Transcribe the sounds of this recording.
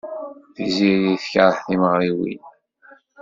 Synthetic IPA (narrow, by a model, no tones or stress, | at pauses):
θizijiθkaɾˤħθiməʁɾiwḭn